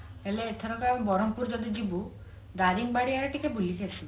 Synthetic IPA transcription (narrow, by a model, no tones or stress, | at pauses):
eleːt̪ʰɔɾɔkɔebɔŋbɔɾɔmpuɾd͡ʒɔd̪id͡ʒibu | d̪aɾiŋbaɽiaɾɔʈikebulikesi